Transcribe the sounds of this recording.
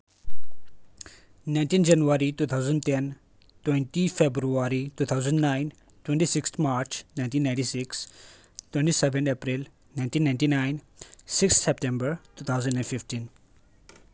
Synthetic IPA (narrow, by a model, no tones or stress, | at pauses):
nãɪ̃nʈĩːnd͡ʒɐnuʋaɾituːt̪ʰaʊzə̃ɳɖtɛn | twɛ̃ɳʈifebɾuaɾituːt̪ʰaʊzə̃ɳɖnaɪn | twɛ̃ɳʈisɪkst̪maːɾt͡ʃnãɪ̃nʈiːnːãɪ̃ɳʈisɪks | twɛ̃ɳʈisɛʋɛ̃nɖepɾil | naɪ̃nʈĩːnːãɪɳʈinaɪ̃nsɪkst̪sɛp̚ʈɛ̃mbəɾtuːt̪ʰaʊzə̃nɖɛ̃nɖfɪfʈĩn